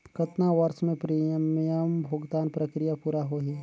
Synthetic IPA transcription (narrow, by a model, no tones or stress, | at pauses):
kɐt̪naʋɐɾʃmẽpɾiːmjəmbʱoːɡd̪aːnpɾəkɾijapuːɾaɦoɦɛː